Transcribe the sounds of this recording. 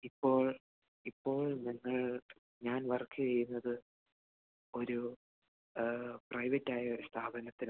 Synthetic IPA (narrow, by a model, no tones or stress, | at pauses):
ipːo̞ːɭ | ipːo̞ːɭniŋːɐɭ | ɲaːnʋɐrkːɨt͡ɕejːunːɐðɨ | o̞ɾu | prɐjʋɐtːaːjɐo̞ɾust̪ʰaːbɐnɐt̪ːin